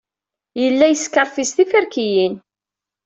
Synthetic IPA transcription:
jəlːæjəskəɾˤfist̪ifəɾkijin

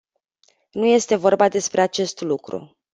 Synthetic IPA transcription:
nuje̞st̪e̞vo̞rbad̪e̞spɾe̞at͡ʃe̞st̪lukɾṵ

